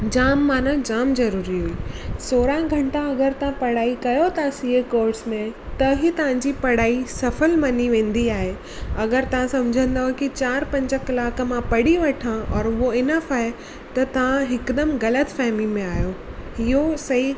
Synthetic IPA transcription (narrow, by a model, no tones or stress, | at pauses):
d͡ʑaːmːaːnãd͡ʑaːmzɐɾuːɾiɦuiːsoːɾãɡʱɐ̃ɳʈãɐɡəɾt̪ɐʋ̤ãpɐɽaːikɐjot̪ʰasiːekoːɾɖsmẽt̪ɐɦit̪ɐʋ̤ãɲd͡ʑipɐɽaːisɐfəlmɐniʋẽːn̆d̪iaːɦe | ɐɡəɾt̪ɐʋ̤ãsɐmd͡ʑʱə̃nd̪aːɦʊekit͡ɕaːɾpɐ̃ɲd͡ʑəkɐlaːkmãpɐɽiʋɐʈʰãɔːɾoɪnəfaːe | t̪ɐt̪ɐʋ̤ãɦɪkd̪əmɣɐlət̪fɛɦmimẽaːjoɦɪɦosɐɦi